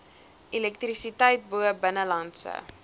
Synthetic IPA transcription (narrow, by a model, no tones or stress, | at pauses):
ʔilɛk̚trisitɛjt̚buəbənəlɐntsə̰